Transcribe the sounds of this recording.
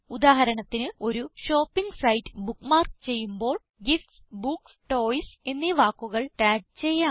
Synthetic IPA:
ud̪aːɦɐɾɐɳɐt̪ːinɨo̞ɾuɕo̞ːpːiŋɡsɐjtːɨ̥bukːmaːrkt͡ɕe̞jːumbo̞ːɭ | ɡifʈsbuksʈo̞ːjse̞nːiʋaːkːuɣɐɭʈaːɡ̚t͡ɕe̞jːaː

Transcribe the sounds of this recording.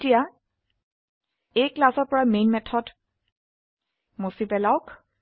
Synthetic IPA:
tija | ejklasɔɹpɔɹamenmɛtʰɔd | mosipɛlawk

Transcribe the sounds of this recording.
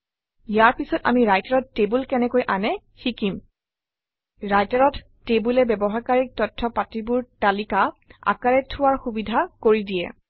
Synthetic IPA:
ijaɹpisɔta̰miɹajtaɹɔtːebulkɛnɛkojʔanɛ | xikim | ɹajtaɹɔtːebulɛbɛbɔɦakaɹik̚tɔtʰːɔpatibʊɹtalikaa̰kaɹɛtʰʊwaɹxubidʱakoɹidiɛ̰

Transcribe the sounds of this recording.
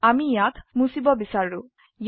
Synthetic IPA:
amijakʰmusibɔbisaɾːu | j

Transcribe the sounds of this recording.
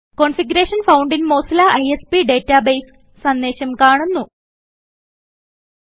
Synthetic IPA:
koɳfiɡuɾeːʂɐnfɐwɳɖinmo̞ːsɐlaʔɐjespiɖe̞ːtːabejsː | ɐnd̪eːɕɐmkaːɳunːu

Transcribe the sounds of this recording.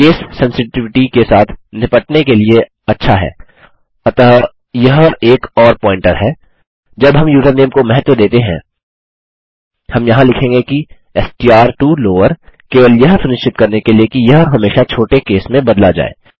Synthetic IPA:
keːsːɛ̃nsɪʈɪʋɪʈikesaːt̪ʰnɪpəʈnekelie | ɐtːʃʰaɦɛ̰ː | ɐt̪ə | jɐɦeːkɔːɾpɔ̃ːɪ̃ɳʈəɾɦɛː | d͡ʒɐbɦɐmjuːʈəbneːmkomɛɦət̪ʋəd̪eːt̪eɦɛ̃ː | hɐmjɐɦãlɪkʰẽːŋɡeki | ɛsʈiaːɾʈuːloːʋəɾkeːʋəljɐɦsʊnɪʃt͡ʃɪt̪̚kɐɾnekeliekijɐɦɦɐmeːʃat͡ʃʰoːʈekeːsmẽbɐd̪lad͡ʒa̰ːḛː

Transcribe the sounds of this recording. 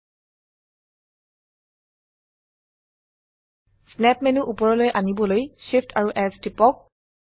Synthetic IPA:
snɛpmenuʔupɔɹɔlojʔanibɔlojʃifʰtʰaɹuʔɛstipɔk̚

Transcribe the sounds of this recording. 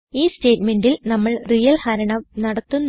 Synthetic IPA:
iːste̞ːʈme̞ndilnɐmːɐɭrijɐlhɐɾɐɳɐʋnɐɽɐt̪ːunː

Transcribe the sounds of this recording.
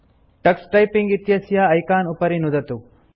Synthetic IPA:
ʈɐksʈɐjpiŋɡit̪jɐsjɐːjkaːnupɐɾinud̪ɐt̪u

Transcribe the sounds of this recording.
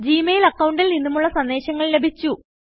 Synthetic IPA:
d͡ʑiːmejlɐkːɐwuɳɖilninːumuɭːɐsɐnd̪e̞ːɕɐŋːɐɭlebʱit͡ɕːu

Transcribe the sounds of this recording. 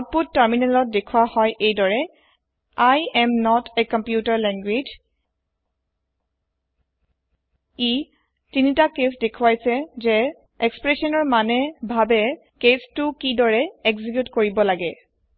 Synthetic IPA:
aput̚tːəɹminɛlɔt̚dekʰuwahɔjʔejdɔɹɛ | ajɛmnɔtʰɛkɔmpjutaɹlɛŋɡwed͡ʒ | i | tinitakesdekʰuwajsɛzɛ | ekspɹesɔnɔɹmanɛbʱabɛ | kestʊkidɔɹɛekzikjutkoɹibɔlaɡɛ

